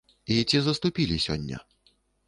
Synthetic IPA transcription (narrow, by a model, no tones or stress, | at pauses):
it͡sʲizɐst̪upʲilʲisʲɔ̰nʲːɐ̰